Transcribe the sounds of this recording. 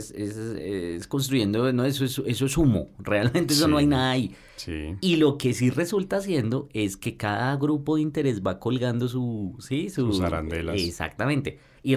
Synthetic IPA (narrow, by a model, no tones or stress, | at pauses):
sesesko̞ns̬t̪ɾuʝe̞nd̪onoesoese̞soesumo̞̰realmẽnt̪ees̬ono̞ajnaðai | sḭilo̞ke̞sire̞sult̪aːsje̞nd̪o̞e̞ske̞kaðaɣɾupo̞ðeint̪e̞ɾe̞zbako̞lɡand̪o̞s̬usisusaɾa̰nd̪elesa̰k̚t̪amẽnt̪e̞ | i